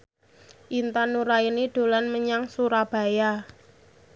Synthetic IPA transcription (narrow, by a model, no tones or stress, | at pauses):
ʔint̪anuɾainiɖ̪̥o̤lanməɲaŋsuɾab̥a̤ja